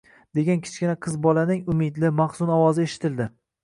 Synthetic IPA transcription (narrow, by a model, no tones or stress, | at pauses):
d̪e̞ɡʲankʲʰɪ̥t͡ʃkʲɪnaqʰɨzbɒlanɪŋʊmɪd̪lɪmaχsʊnɒwɒzɪeʃɪ̥t̪ʰɪld̪ɪ